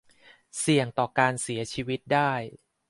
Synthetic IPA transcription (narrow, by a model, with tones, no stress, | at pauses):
si˨˩əŋt̪ɔː˨˩kaː˧nsi˨˩˦ɐt͡ɕʰiː˧wi˦˥t̪̚daː˥˩j